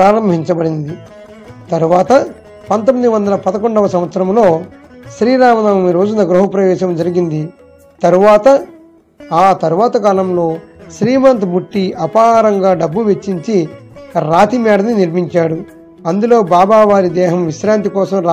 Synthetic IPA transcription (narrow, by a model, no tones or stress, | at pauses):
aːɾɐmbʱiɲt͡ʃɐbɐɽind̪i | t̪ɐɾuʋaːt̪ɐ | pɐnt̪omːid̪iʋɐnd̪ɐlɐpɐd̪ɐkoɳɖɐʋɐsɐmʋɐt̪sɐɾɐmlo̞ː | ʃɾiːɾaːmɐnaːmɐmiɾo̞ːd͡ʒunɐɡɾuɦɐpɾɐʋɛːʃɐmd͡ʒɐɾiɡind̪i | t̪ɐɾuʋaːt̪ɐ | aːt̪ɐɾuʋaːt̪ɐkaːlɐmlo̞ːʃɾiːmɐnt̪bʱuʈːiʔɐpaːɾɐŋɡaːɖɐbːuʋe̞t͡ʃːiɲt͡ʃiɾaːt̪imɛːɖɐniniɾmiɲt͡ʃaːɽu | ɐnd̪ulo̞ːbaːbaːʋaːɾid̪ɛːɦɐmʋiʃɾaːnt̪̬ikɔːsɐmɾ